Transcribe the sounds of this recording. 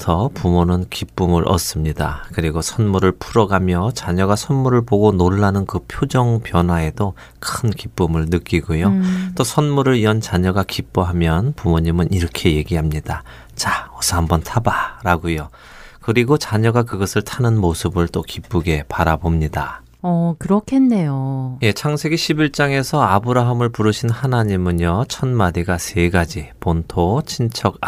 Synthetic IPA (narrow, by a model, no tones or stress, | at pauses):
tʰʌpumonɯnkip͈umɯɾʔʌ̰s͈ɯmɲida̰kɯɾiɡosʰʌnmuɾɯɭpʰuɾʌɡamjʌt͡ɕaɲʌɡasʰʌnmuɾɯɭpoɡonoɭːanɯnkɯpʰjod͡ʑʌŋpjʌnɦwae̞do | kʰɯnkip͈umɯɭnɯk͈iɡojot͈osʰʌnmuɾɯɾiʌnt͡ɕaɲʌɡakip͈oɦamjʌnpumoɲimɯniɾʌkʰe̞je̞ɡiɦamɲida | t͡ɕaʌsʰʌɦambʌntʰabaɾaɡujo | kɯɾiɡot͡ɕaɲʌɡakɯɡʌsʰɯɭtʰanɯnmosʰɯbɯɭt͈okip͈ɯɡe̞paɾabomɲida | ʌkɯɾʌkʰenːe̞joje̞t͡ɕʰaŋsʰe̞ɡiɕʰibiɭt͡ɕ͈aŋe̞sʰʌabɯɾaɦamɯɭpuɾɯɕʰinhanaɲimɯɲjʌt͡ɕʰʌnmadiɡasʰe̞ɡad͡ʑipontʰot͡ɕʰint͡ɕʰʌɡ